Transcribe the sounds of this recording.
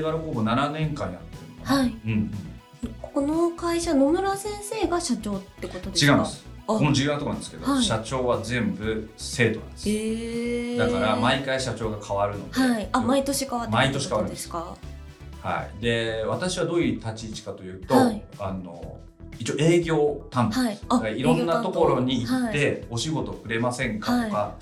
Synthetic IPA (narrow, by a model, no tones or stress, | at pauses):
βaɾokoːbonananẽ̞ŋkãɲ̟ːia̰t̪ːeaaiɯ̟̃ɴɯ̃ɴ | kkonokaiɕano̞mɯ̟ɾasẽ̞ɰ̃se̞ːɡaɕat͡ɕo̞ːt̪ːe̞ko̞t̪o̞d̪et͡ɕiɡaɯmmasɨ̥konoʑiat̪okanãnd̪esɨ̥ked̪aiɕat͡ɕo̞ːβazẽ̞mbɯ̟se̞ːt̪onã̰d̪e̥se | d̪akaɾamaikaiɕat͡ɕo̞ːɡakʰaβaɾɯ̟no̞d̪eiamait̪oɕikaβammait̪o̞ɕikaβaɾɯ̃esa | ha̰ḭd̪e̞βat̪aɕiβad̪o̞ːjɯ̟t̪at͡ɕiːt͡ɕi̥kat̪o̞jɯ̟ːt̪o̞ano̞̰ | it͡ɕioʔeːɡʲo̞ːt̪ãnd̪isdakaiɾõ̞nːat̪o̞kko̞ɾo̞ɲ̟iːat̪ːe̞o̞ɕiɡo̞t̪o̞kɯ̟ɾe̞masẽ̞ŋkat̪oka